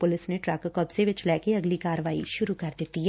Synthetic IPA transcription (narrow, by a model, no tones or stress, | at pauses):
pʊlɪsneʈɾɛːkkɔpseʋɪt͡ʃlɛːkeɐɡlikaːɾəʋaːḭʃʊɾukɐɾd̪ɪt̪iɦɛ